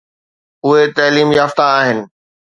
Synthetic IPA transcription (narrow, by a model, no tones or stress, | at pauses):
ʊɦet̪ɐːliːmjaːft̪aaːɦɪnɪ̆